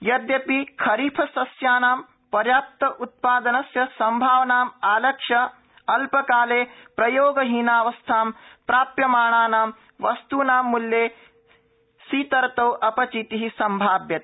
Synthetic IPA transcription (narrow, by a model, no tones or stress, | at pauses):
jɐd̪jɐpikʰɐɾiːpʰɐsɐsjaːnaːm | pɐɾjaːp̚t̪ɐʔut̪̚paːd̪ɐnɐsjɐsɐmbʱaːʋɐnaːmaːlɐkʂɐ | ɐlpɐkaːleːpɾɐjoːɡɐɦiːnaːʋɐst̪ʰaːmpɾaːpjɐmaːɳaːnaːm | ʋɐst̪uːnaːmːuljeː | siːt̪ɐɾt̪ɐwʔɐpɐt͡ʃit̪iɦisɐmbʱaːbjɐt̪̚